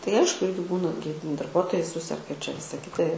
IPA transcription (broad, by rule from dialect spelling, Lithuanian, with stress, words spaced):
tɐɪ ˈɐɪʃkʊ ˈɪrʲɡʲɪ ˈbuːnɐ ɡʲɪ dɐrˈbuɔtoːjɛɪ ˈsʊsʲɛrɡɐ ɪr t͡ʃʲɛ ˈʋʲɪsɐ ˈkʲɪtɐ